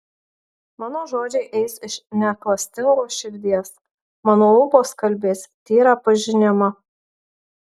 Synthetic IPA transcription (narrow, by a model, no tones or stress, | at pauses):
mɑːnoːʒoːd͡ʒʲɛɪʔɛɪsɪʃnʲæːklˠɐsʲt̪ʲɪŋɡoːʃʲɪɾʲd̪ʲiɛs | mɑːnoːʊboːskɐlʲbʲeːsʲt̪ʲiːɾɑːpɐʒʲɪnʲɪmɐ